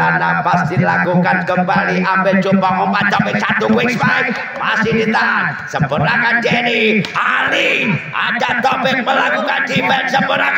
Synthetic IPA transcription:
anapasd̪ilakukankəmbaliʔambɛt͡ʃobaŋɔpat̪ɔpɪk̚t͡ʃat̪ukwɪksbai | pa̰sinit̪a | səmpʊnakand͡ʒɛnialia̰d͡ʒat̪ɔpɪk̚məlakukandifɛnsəmbʊnak

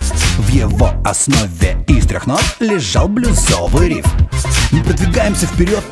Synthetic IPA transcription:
vjɪvoɐsnovʲɪist̪ɾʲɪ̰xnotlʲɪʐalˠblʲʊzovɨjɾʲḭfmɨpɾəd̪vʲɪɡajɪmsʲəfpʲɪɾʲot̪̚

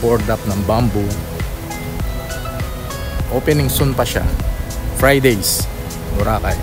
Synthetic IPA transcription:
poɹd̪ap̚nɐŋbambʊ | ʔoːpɛnɪŋsonpɐʃa̰fɾajd̪ejs | nʊɾaːkaj

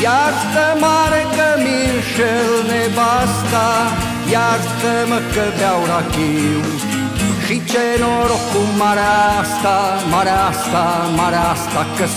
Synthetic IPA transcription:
jazt̪əmaɾekəminʃelnebast̪a | jazt̪əməkəbawɾakiw | ʃit͡ʃenoɾokumːaɾaast̪a | maɾɛast̪amaɾɛast̪akə

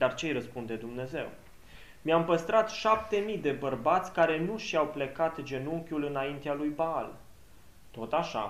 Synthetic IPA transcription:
d̪art͡ʃejɾəspund̪e̞d̪umne̞ze̞̰w | miampəst̪ɾat̪ʃap̚t̪e̞mid̪e̞bərbat̪sʲkaɾe̞nuʃiawplekat̪d͡ʒe̞nuŋkʲulɨnaint̪ealujbaa̰l | t̪o̞t̪aʃa̰

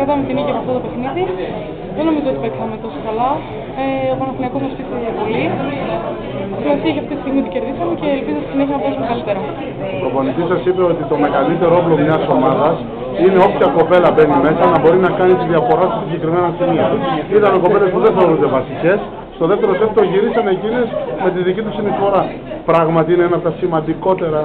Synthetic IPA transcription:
eðɐmet̪iniʝɐmɐft̪ot̪o̞pe̞xniði | ðeno̞mizoot̪ipe̞t̪ixɐmet̪o̞sokɐlɐ | eopɐnɐθiliɐkozmɐspist̪iðɐpoli | simɐsiɐçɐft̪it̪i̥st̪iɣmit̪uce̞ɾðisɐmece̞ːlpizot̪i̥sineçiɐnɐpoɾisumeɣɐlit̪e̞ɾɐ | koponicisɐsipe̞o̞t̪it̪o̞me̞ɣɐlit̪e̞ɾooplomɲɐso̞mɐðɐs | ine̞o̞pçɐko̞pe̞lɐbe̞nime̞sɐnɐbo̞ɾinɐkɐnit̪iðiɐfo̞ɾɐst̪isiɲɟe̞kɾime̞nɐsimiɐit̪ɐnoko̞pe̞le̞spuðenθeoɾund̪e̞vɐsice̞s | st̪o̞ðe̞ft̪eɾo̞set̪t̪oʝiɾisɐne̞cinesme̞t̪iðicit̪usinisfo̞ɾɐ | pɾɐɣmɐt̪iineenɐpot̪ɐsimɐnd̪iko̞t̪e̞ɾɐ

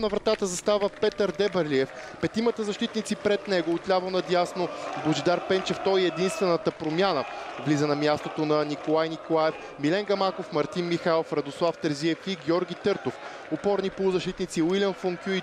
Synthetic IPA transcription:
nɐvɾɐt̪at̪əzɐst̪avəpɛt̪əɾd̪ɛbəɾliɛfpɛt̪imət̪əzɐʃt̪it̪nit̪sipɾɛt̪nɛɡoːt̪lʲavonɐd̪ʲjasnoboʒid̪aɾpɛnt͡ʃɛft̪ɔiɛd̪inst̪vɛnət̪əpɾomʲjanəvlizənɐmʲjast̪ot̪onɐnikolˠajnikolˠaɛf | milɛŋɡɐmakofmɐɾt̪inmixalˠfɾɐd̪oslˠaft̪ɛɾziɛfiɡʲɔɾɡʲit̪ɤɾt̪of | opɔɾnipolˠʊzɐʃt̪it̪nit̪siwilʲiɐnfoŋkʲjui

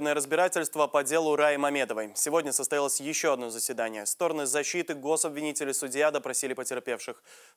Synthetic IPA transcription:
nəjəɾəzbʲɪɾatʲɪlʲst̪vəpɐdʲe̞lˠʊɾajɪmɐmʲe̞d̪əvəjsʲɪvo̞dʲnʲəsəst̪ɐjalˠəsʲjɪɕːoɐd̪no̞zəsʲvʲɪd̪anʲɪjəst̪o̞ɾənɨzɐɕːit̪ɨɡo̞sɐbvʲɪnʲitʲɪlʲɪsʊdʲɪjad̪əpɾɐsʲilʲɪpətʲɪrpʲe̞fʂɨx

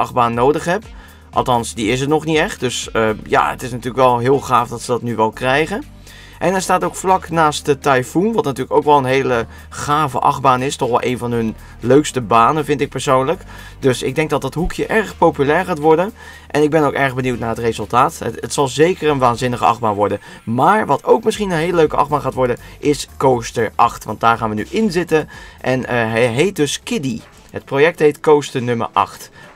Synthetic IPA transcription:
ʔɑχbaːnːoːdəχɦɛp | ʔɑ̰lˠtɑnsdiɪs̬ətnɔχnitɛχtdɵsəja̰ə̰tɪsnatyːɹləkʋɛlˠɦɪːlˠχaːfdɑtsədɑtnyʋɛlˠkrɛjɣən | ʔɛnɛɹstaːtowkflɑknaːstdətajfunʋɑtnatyːləkowkʋɛlˠənɦeːlə | χaːvə̰ʔɑ̰ɣbaːnɪstɔχʋɛlˠʔejnvɑnɦɵn | løɥkstəbaːnəvɪntɪk̚pəɹsoːnlək | dɵsɪɡ̚dɛŋk̚dɑt̚dɑtɦukʰjəʔɛɹχpowpylɛːɹχaːtʋɔɹdən | ʔɛnɪɡ̚bɛnowkɛɹχbəniwtnaːɹɦətrezɵlˠtaːtətsɑlˠzejkərənʋaːnzɪnəχə̰ɑ̰χbaːnʋɔɹdən | maːɹʋɑtʰowkmɪsχinənɦeːləløɥkəʔɑ̰χbaːnχaːtʋɔɹdənʔɪskowstəɹʔɑχtʋɑ̰ntdaːɹχaːnʋəny̰ʔɪnzɪtənʔɛnɦɛɦejt̚dɵskɪdi | ɦət̚projɛk̚tɦejtkowstənɵmə̰ɹʔɑ̰χt

